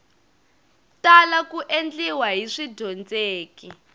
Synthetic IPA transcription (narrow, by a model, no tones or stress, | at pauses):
talakuʔend͡ɮiwaɦiʂidʱɔnd͡zeːki